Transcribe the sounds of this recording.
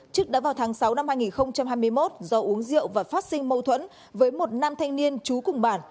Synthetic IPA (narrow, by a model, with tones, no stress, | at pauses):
t͡ɕɨ˦˥k̚ɗaː˧˥vaː˨˩wt̪ʰaː˨˦ŋsa˨˦wna˧mhaː˧jŋi˨˩nxə˧wŋ͡mt͡ɕa˧mhɦaː˧jmɨ˧əjmo˦˥t̚zɔ˧ʔu˨˦əŋzḭ˧˨əwvaː˨˩faː˦˥t̚sï˧ŋmə˧wt̪ʰwə̰˧˥n | vəː˨˦jmo˨˩t̚naː˧mt̪ʰa˧jŋ̟ni˧ənt͡ɕu˨˦kʊ˨˩ŋ͡mɓaː˧˩n